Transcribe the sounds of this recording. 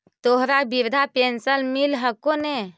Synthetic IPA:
t̪oɦɾabiɾd̪ʱapensəlmilɦəkone

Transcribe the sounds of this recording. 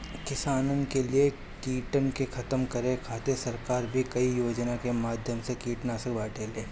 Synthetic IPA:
kɪsaːnənkelie | kiːʈənkexʰɐt̪əmkɐɾẽkʰaːt̪esɐɾkaːɾbʱikɐijoːd͡ʒnakemaːd̪ʱjəmsekiːʈnaːsɐkbaːʈeːleː

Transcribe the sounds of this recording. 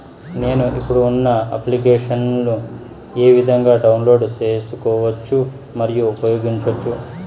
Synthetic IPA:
ne̞ːnuʔipːuɽuunːɐɐ̰plikeːʂɐnlu | e̞ːʋid̪ʱɐŋɡaːɖɐwunlo̞ːɖt͡ʃe̞ːsukɔːʋɐt͡ʃːu | mɐɾijuupɾɐjo̞ːɡiɲt͡ʃɐt͡ʃːu

